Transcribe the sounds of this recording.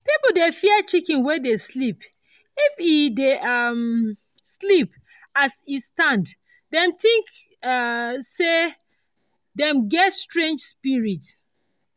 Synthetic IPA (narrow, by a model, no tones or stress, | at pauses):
pipl̩defiət͡ʃikĩnwɛdeslip | ifideʔʌm | slip | asistãnd | dɛ̃mt̪ĩŋk | se | dɛ̃mɡɛtstɹẽnd͡ʒspiɹits